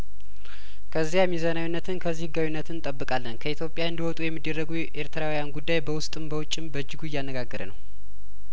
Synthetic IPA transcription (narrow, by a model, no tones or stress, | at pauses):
kʰəzːijamizanawunːət̪ʰɨnkʰəzːihɨɡːawunːət̪ʰɨnt̪ʼəbːɨkʼalːənkʰəit̪ʰjo̞pʼːjaɨnd̪iwɔt̪ʼujɛmːid̪ːərːəɡuʔe̞ɾt̪ʰəɾawijanɡud̪ːajbəwʊst̪ʼɨmbəwʊt͡ʃʼːɪmbəd͡ʒːɪɡuɪjːanːəɡaɡːəɾə̰nə̰w